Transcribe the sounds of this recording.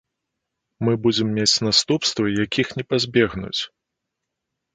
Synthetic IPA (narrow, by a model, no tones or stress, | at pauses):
mɨbud͡zʲɛmːʲet͡sʲnast̪upst̪vɐjakʲixnʲɛpazʲbʲɛɣnṵt͡sʲ